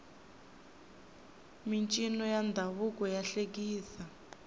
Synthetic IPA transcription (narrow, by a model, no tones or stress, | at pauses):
mint͡ʃʼinɔjand̪ʱaβukɔjaɬek̬iːsa